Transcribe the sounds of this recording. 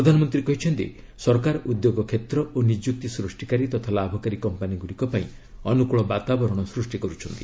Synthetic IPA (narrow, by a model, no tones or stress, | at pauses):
pɾɔd̪ʱanɔmɔnt̪ɾiekɔɦit͡ʃʰɔnt̪ḭ | sɔɾkaɾɔʔud̪joɡɔkʰet̪ɾɔonid͡ʒjuk̚t̪isɾusʈikaɾit̪ɔt̪ʰalabʱɔkaɾikɔmpaniɡuɽikɔpaĩ | ɔnukuɭɔbat̪abɔɾɔɽ̃ɔsɾusʈikɔɾut͡ʃʰɔnt̪i